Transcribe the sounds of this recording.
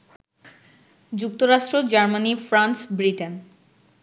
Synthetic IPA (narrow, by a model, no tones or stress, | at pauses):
d͡ʑuk̚t̪oɾaʃʈɾod͡ʑaɾmanifɾansbɾiʈen